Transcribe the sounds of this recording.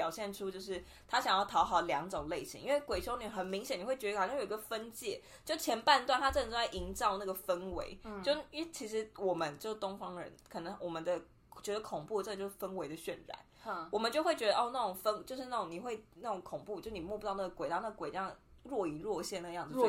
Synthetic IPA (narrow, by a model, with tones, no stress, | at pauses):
pjɑ˨˩ʊɕjɛ˥˩nʈ͡ʂʰu˥t͡ɕjo˥˧ʊʂ̬ɻ̩˥˩ | t̪ʰa˥ɕjɑ˨˩ŋjɑ˥˩ʊt̪ʰɑ˧˥ʊxɑ˨˩ʊljɑ˧˥ŋʈ͡ʂʊ˨˩ŋle˥˩ɪɕḭ˧˥ŋʔḭ˥nwe˥˩ɪkwe˨˩ɪʈ͡ʂʰo˥ni˨˩xə˨˩nmi˧˥ŋɕjɛ˨ni˨˩xwe˥˩ɥɑ˥˩jo˨˩˧ɡə˧fə˦nt͡ɕjɛ˥˨ | t͡ɕjo˥˧ʊʂt͡ɕʰjɛ˧˥npa˥˧nt̪wa˥˩nt̪ʰa˥ʈ͡ʂɤ˥˩nʈ͡ʂ̩˥a˥˩ɪʔi˧˥nʈ͡ʂɑ˥˧ʊna˥˩ɡə˩fə˦˥nwe˧˥ɪt͡ɕo˥˧ʊ˥t͡ɕʰi˧˥ʂɻ̩˧˥wɔ˨˩mə˦nt͡ɕjo˥˧ʊʂ̩˥˩t̪ʊ˥ŋfɑ˥ŋə˨ɻə̰˧˦nkʰɤ˨˩nɤ˧˦ŋwʔɔ˨˩mə˦nd̪ə˧ | t͡ɕɥɛ˧˥d̪ə˧kʰʊ˨˩ŋpu˥˩˧t͡ɕo˥˩ʂɻ̩˥˩fə˥nwe˧˥ɪd̪ə˧ɕɥɛ˨˩nɻa̰˨˦nwɔ˨˩mə˦nt͡ɕjo˥˧ʊxwe˥˩ɪt͡ɕɥɛ˧˥d̪ə˧ɔ˥˧na˥˩ʈ͡ʂʊ˨˩ŋfə˥nt͡ɕjo˥˧ʊʂɻ̩˧na˥˩ʈ͡ʂʊ˨˩ŋni˨˩xwe˥˧ɪna˥˩ʈ͡ʂʊ˧˦ŋkʰʊ˨˩ŋpu˥˧t͡ɕo˥˧ʂ̩˥ni˨˩mwɔ˥˧pu˥t̪ɑ˥˧ʊn˥˩ə˩kwe˨ɪɑ˥n˥˩ɡə˩kwe˨˩ɪtɑ˥ɻwɔ˥˩i˧˥˦ɻwɔ˥˧ɕjɛ˥˧na˥˩˧jɑ˥˩ŋd͡z̩˨˩t͡ɕ